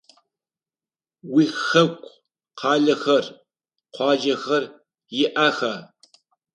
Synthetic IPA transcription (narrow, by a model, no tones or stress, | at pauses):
wiːxɐkʷʼ | qʰɑːɮɐxɐr | qʷɑːd͡ʒɐxɐr | jɪʔaːxɐ